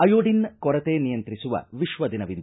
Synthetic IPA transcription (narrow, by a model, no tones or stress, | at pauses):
ɐjoːɖinkɔɾɐt̪eːnijɐnt̪ɾisuʋɐ̰ʋiʃʋɐd̪inɐʋind̪ɐ